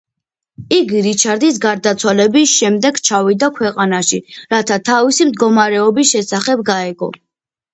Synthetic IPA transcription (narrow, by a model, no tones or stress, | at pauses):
iɡiɾit͡ʃʰaɾd̪is̬ɡaɾd̪at̪sʰwalɛbisʃɛmd̪ɛɡt͡ʃʰavid̪akʰwɛqʼanaʃiɾat̪ʰat̪ʰavisimd̪ɡɔmaɾɛɔbisʃɛsaχɛb̚ɡaɛɡɔ̰